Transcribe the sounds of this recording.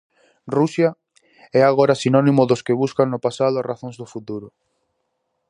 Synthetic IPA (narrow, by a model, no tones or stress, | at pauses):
rusja | ɛaɣoɾasinɔnimʊðʊskɪβuskaŋnʊpasað̞ʊaraθõŋzðʊfut̪uɾʊ